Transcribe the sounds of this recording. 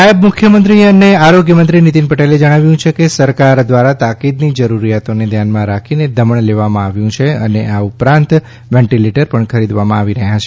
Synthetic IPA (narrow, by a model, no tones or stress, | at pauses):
ajəbmʊkʰjəmənt̪ɾiəneaɾoɡjəmənt̪̬ɾinit̪inpəʈeled͡ʒəɽ̃aʋjũt͡ʃʰekesəɾkaɾd̪ʋaɾat̪akid̪nid͡ʒəɾuɾijat̪oned̪ʱjanmãɾakʰined̪əməɳleʋamãaʋjũt͡ʃʰeəneʔaupɾãnt̪ | ʋɛ̃ɳʈileʈəɾpəɳkʰəɾid̪ʋamãaʋiɾəɦjat͡ʃʰe